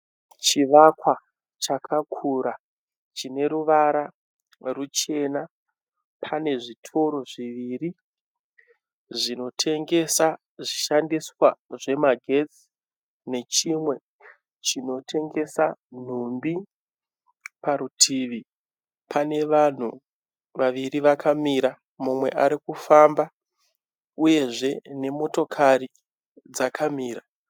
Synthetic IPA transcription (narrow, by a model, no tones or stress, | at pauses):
t͡ʃiʋakwa | t͡ʃakʰakʰuɾa | t͡ʃine̞ɾuʋaɾa | rut͡ʃe̞na | pʰane̞ʐitʰo̞ɾo̞ʐiʋiːri | ʐino̞tʰe̞ŋɡe̞sa | ʐiʃandiswaʐe̞maɡʱe̞d͡zi | ne̞t͡ʃimwe̞ | t͡ʃino̞tʰe̞ŋɡe̞san̤umbi | paɾutʰiːʋi | pʰane̞ʋan̤u | ʋaʋiriʋakʰamiɾa | mumwe̞̰ʔaɾikufamba | uje̞ʐe̞ne̞mo̞to̞kʰaɾi | d͡zakʰamiːra